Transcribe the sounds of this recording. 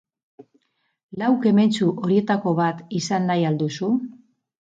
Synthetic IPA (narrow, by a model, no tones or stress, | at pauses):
lawke̞me̞nt͡suʔo̞ɾie̞t̪ako̞βat̪isanːajald̪usu